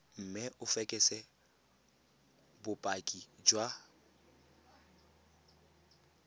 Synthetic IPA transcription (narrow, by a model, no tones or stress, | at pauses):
m̩mɪʔʊfɛkʼɛsɛ | bʊpʼakʼid͡ʒwa